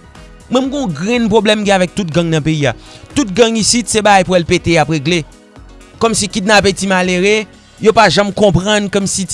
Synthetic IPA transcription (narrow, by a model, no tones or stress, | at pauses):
mwɛ̃mɡõɡʁɛ̃npʁoblɛmɡɛ̃avɛk̚t̪ut̚ɡɐ̃ŋnɐ̃peiat̪ut̚ɡɐ̃ŋisit̪sebaɡajpuɛlpeteapɣeɡle | kɔmsikit̪̚napetimaleɣe | jopaʒãmkɔ̃pʁɐ̃nkɔmsi